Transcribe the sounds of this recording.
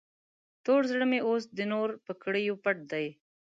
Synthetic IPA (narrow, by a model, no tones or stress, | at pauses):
t̪oɽzɽəmeʔosd̪ənoɾpəkɽəjopaʈ̚d̪aj